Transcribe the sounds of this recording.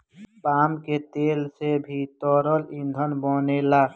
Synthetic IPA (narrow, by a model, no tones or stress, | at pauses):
paːmket̪eːlsebʱit̪ɔːɾəlĩnd̪ʱənbɔːnela